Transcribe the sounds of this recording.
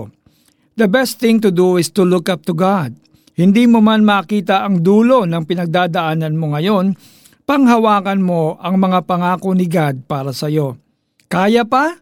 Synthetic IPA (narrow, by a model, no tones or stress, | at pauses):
d̪ɐbɛst̪θɪŋt̪ʊd̪uɪst̪ʊlʊkap̚t̪ʊɡad̪̚ | hɪnd̪iːmomanmaːkiːt̪ɐʔɐŋd̪uːlo̞nɐŋpɪnɐɡ̚d̪aːd̪ɐʔaːnɐnmo̞ŋɐjo̞n | pɐŋɦɐwaːkɐnmo̞ʔɐŋmɐŋapɐŋaːkonɪɡad̪̚paːɾɐsɐjo̞ | kaːjɐpɐ